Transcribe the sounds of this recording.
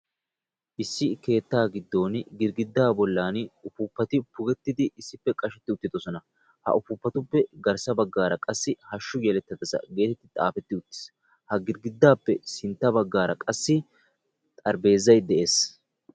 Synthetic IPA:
ʔɪsːɪke̞ːt̪ːaːɡɪd̪ːo̞ːnɡɪɾɡɪd̪ːaːbɔlːaːnʊfupːɐt̪ɪpʊɡɛt̪ːɪd̪ɪʔɪsːɪpːɛkʼɐʃɛt̪ːɪʊt̪ːɪd̪ɔsɔnɐ | hɐ̰ʔʊfʊpːɐt̪ʊpːɛɡɐɾsɐbɐɡːaːɾɐkʼɐsːɪhɐʃːʊɡɛlɛt̪ːɐd̪ɐsɐ̰ɡe̞ːt̪ɛt̪ːɪt̪ʼa̰ːfɛt̪ːɪʊt̪ːɪ̥s | hɐɡɪɾɡɪd̪ːaːpːɛsɪnt̪ːɐbɐɡːaːɾɐkʼɐsːɪ | t̪ʼɐɾbe̞ːzːɐjd̪ɛʔe̞ːs

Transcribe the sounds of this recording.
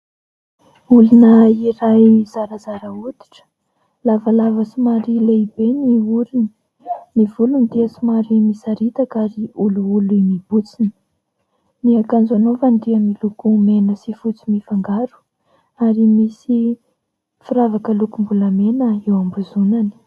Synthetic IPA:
ulunəiɾajz̥aɾəzaɾəut̪i̥ʈ͡ʂə̥ | lavalavəsimaɾileibeniuɾini | nivulunid̪iəsimaɾimisaɾit̪akaɾiuluulimib̥ut͡sini̥ | niakand͡zanovand̪iamilukumenəsifut͡simifaŋɡaɾu̥ | aɾimisi | fuɾavakəlukumbuləmenəewambuzunani̥

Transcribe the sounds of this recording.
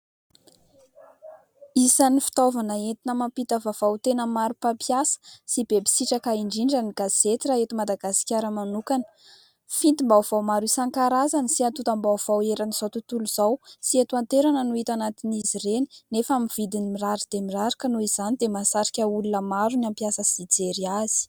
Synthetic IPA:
isanifi̥t̪ovanəent̪inəmampit̪əvavawt̪enəmaɾupapjasə̥sibebi̥siʈ͡ʂakaiɳɖ͡ʐiɳɖ͡ʐəniɡaz̥et̪iraɦet̪imad̪aɡasi̥kʲaɾəmanukanə̥ | fint̪imbawv̥awmaɾusaŋkaɾazanisiat̪ut̪ambawv̥aweɾaniz̥awt̪ut̪uluz̥awsiet̪uant̪eɾanənuit̪anat̪inizireninefamiv̥id̪inimiraɾid̪̥emiraɾikənuizanid̪emasaɾi̥kʲəulunəmaɾuniampjasəsid͡zeɾiaz̥i̥

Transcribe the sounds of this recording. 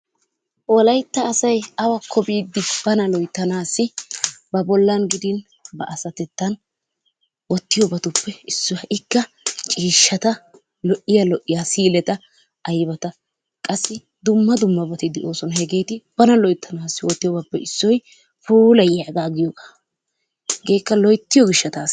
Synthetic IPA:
ʔɔlɐjt̪ːɐːsɐjɐwɐkʰːɔbiːd̪ːɪb̥ɐnɐlɔjt̪ːɐnaːsːɪbɐbɔlːɐnɡɪd̪ɪn | bɐ̰ʔɐsɐt̪ɛt̪ːɐn | wɔt̪ːɪjɔbɐt̪ʊpːɛɪsːɔɐʔɪkːɐ | t͡ʃʼiːʃːɐt̪ɐ | lɔʔːɪjalɔʔːɪjaːsiːlɛt̪ɐ | ʔɐjbɐt̪ɐ | kʼɐsːɪ | d̪ʊmːɐd̪ʊmːɐbɐt̪ɪd̪ɛʔo̞ːsɔnhɛɡe̞ːt̪ɪb̥ɐnɐlɔjt̪ʰːɐnaːsːɪwɔt̪ːɪjɔbɐpːɛɪsːɔj | fuːlɐjaɡaːɡɪjɔɡaː | ɡe̞ːkːɐlɔjt̪ːɪjɔɡɪʃːɐt̪aːs

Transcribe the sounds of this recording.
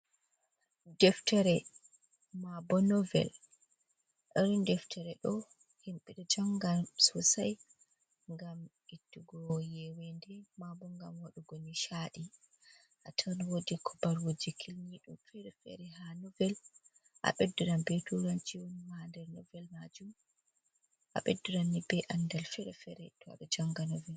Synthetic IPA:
dɛftɛɾɛ | mabɔnɔvɛ̰l | ʔɔɾundɛftʰɛɾɛɗɔ | himɓiɗɛd͡ʒɔŋɡasusaj | ŋɡam | itːuɡɔjɛwɛndɛmabɔŋɡamwaɗuɡoniʃaɗi | ʔatʰaniwodikʰɔbaɾwod͡ʒikʰilniɗumfɛɾɛfɛ̰ɾɛhanɔvɛl | ʔa̰ɓɛdːuɾanbɛtuɾant͡ʃiwonimandɛɾnɔvɛlmad͡ʒum | ʔa̰ɓɛdːuɾanːibɛʔandalfɛɾɛfɛɾɛtɔa̰ɗɔd͡ʒaŋɡanɔvɛl

